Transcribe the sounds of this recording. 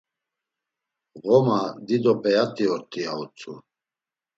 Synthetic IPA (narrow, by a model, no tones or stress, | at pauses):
ɣɔmad̪id̪ɔpʼɛat̪ʼiɔɾt̪ʼiaut͡sʰʼṵ